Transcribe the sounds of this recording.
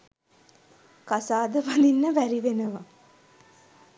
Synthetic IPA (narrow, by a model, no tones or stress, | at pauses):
kasaːd̪əʋalinːəʋæɾiʋenəʋɐ